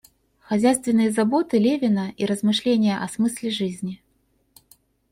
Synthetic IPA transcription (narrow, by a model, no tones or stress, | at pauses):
xɐzʲæjst̪vʲɪnːɨjəzabot̪ɨlʲevʲɪnɐiɾəzmɨʂlʲenʲɪjəʔɐsmɨsʲlʲɪʐɨzʲnʲi